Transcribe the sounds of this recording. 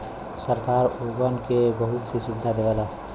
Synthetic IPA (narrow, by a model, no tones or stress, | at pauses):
səɾkaːɾuɡənkebəɦʊt̪sisubɪd̪ʱad̪eʋɛla